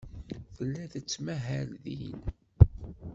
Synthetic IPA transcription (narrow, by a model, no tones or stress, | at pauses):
θəlːæðət͡sːmæɦælðḭn